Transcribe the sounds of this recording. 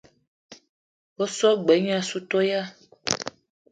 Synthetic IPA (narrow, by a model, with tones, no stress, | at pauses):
wo˦sɔ˦ɡ͡bɛ˨˦ɲ˦a˨su˦t̪o˦ja˦